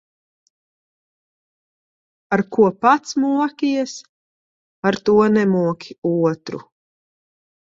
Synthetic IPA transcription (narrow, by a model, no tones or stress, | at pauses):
aɾkuɔpat̪smuɔkʲiɛs | aɾt̪uɔnɛmuɔkʲiuɔt̪ɾṵ